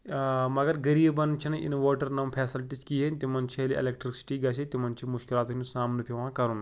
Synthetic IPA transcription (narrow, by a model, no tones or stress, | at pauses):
mɐɡɐɾɡɐɾiːbbɐnt͡ʃʰinɨʔḭnʋoːʈɐɾnɐmpʰeːsɐlʈit͡ʃkiːɦenʲt̪imɐnt͡ʃʰiliʔḛlekʈɾiksi̥ʈiːɡɐsʰit̪imɐnt͡ʃʰimuʃkilaːt̪ɦʲinusaːmnɨpʰiʋãːkɐɾun